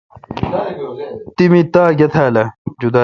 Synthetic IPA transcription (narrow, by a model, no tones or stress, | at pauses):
t̪imit̪aːɡɐt̪ʰaːlɐd͡ʑud̪aː